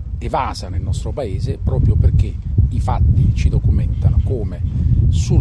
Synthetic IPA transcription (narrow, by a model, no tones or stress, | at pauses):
evaːzanilnɔst̪ɾopaeːzepɾɔːpɾjoperk̟eifat̪ːit͡ʃid̪okumɛnt̪anokoːmesu